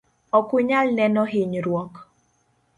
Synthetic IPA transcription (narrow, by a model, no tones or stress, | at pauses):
ɔkʊɲalnɛnɔɦɪɲɾwɔk